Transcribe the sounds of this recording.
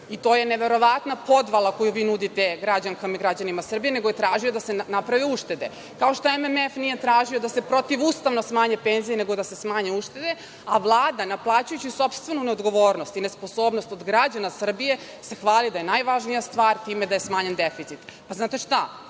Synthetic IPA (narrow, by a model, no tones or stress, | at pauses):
it̪o̞ːje̞ne̞ʋe̞ɾo̞ʋat̪napo̞d̪ʋalˠako̞juʋiːnud̪it̪eɡɾad͡ʑaŋkamiɡɾad͡ʑanimasr̩bije̞neɡoje̞t̪ɾaːʒio̞d̪asenapɾaʋiuʃt̪e̞d̪e | kao̞ʃt̪o̞ememefnije̞t̪ɾaːʒio̞d̪ase̞pɾo̞t̪iʋuːst̪aʋno̞smaːɲepenzijeneɡo̞d̪ase̞smaːɲeuʃt̪e̞d̪e̞ | aʋlˠaːd̪anaplˠaːt͡ɕujut͡ɕiso̞pst̪ʋe̞nune̞o̞d̪ɡo̞ʋo̞ːɾnost̪inespo̞so̞ːbno̞st̪o̞d̪ɡɾad͡ʑanasr̩bije̞ | sexʋaːlˠid̪aje̞najʋaʒnijast̪ʋaːɾt̪iːme̞d̪ajesmaːɲend̪efit̪sit̪paznaːt̪e̞ʃt̪a